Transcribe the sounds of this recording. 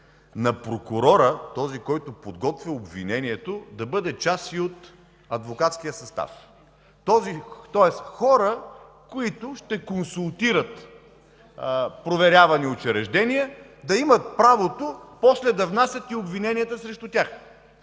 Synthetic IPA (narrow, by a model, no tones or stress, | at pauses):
nɐpɾokʊɾɔɾət̪ɔzikɔjt̪ʊpod̪ɡɔt̪vʲiobvḭnɛniɛt̪od̪ɐbɤd̪ɛt͡ʃasiot̪ | ɐd̪vokat̪skijəsɐst̪a̰f | t̪ɔzit̪ɔɛsxɔɾə | koit̪ʊʃt̪ɛkonsulˠt̪iɾət̪ | pɾovɛɾʲavɐniot͡ʃɛɾɛʒd̪ɛniɛd̪ɐimɐt̪̚pɾavot̪opɔslɛd̪ɐvnasʲjət̪iobvinɛniət̪əsɾɛʃt̪ʊt̪ʲax